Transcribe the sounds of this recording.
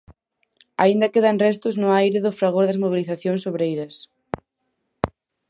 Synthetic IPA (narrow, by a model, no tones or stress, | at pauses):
a̰ind̪ɐkeðaŋrɛst̪ʊznʊajɾɪðʊfɾaɣ̞oɾðɐzmoβiliθaθjoŋsoβ̞ɾejɾɐs